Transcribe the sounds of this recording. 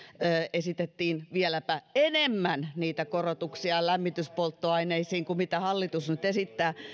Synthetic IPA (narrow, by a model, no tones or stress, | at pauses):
əʔesit̪et̪ːiːnʋielæpæenemːænniːt̪ækorot̪uksiɑlæmːit̪yspolt̪ːoɑineisiːŋkumit̪æhɑlːit̪usnyt̪esit̪ːæː